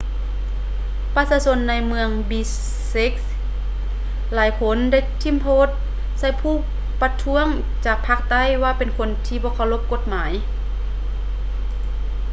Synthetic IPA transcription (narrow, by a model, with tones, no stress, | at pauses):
pa˧saː˧so˧˥nːa˧˥jmɯ˧əŋbiː˧ | se˧˦k̚s | laː˨˦jkʰo˧˥˨nda˧˩˨jt̪ʰi˧˥˨mpʰoː˧˥˩t̪̚ | sa˧˩jpʰuː˧˩˨ | pa˧t̪ʰu˧˥əŋ | t͡ɕaː˨˩k̚pʰa˧˥k̚t̪a˧˥˨jwaː˧˩pe˨nkʰo˧˥˨nt̪ʰiː˧˩bɔː˧˦kʰaː˧˩wlo˧˥p̚ko˧˦t̪̚maː˨˩˦j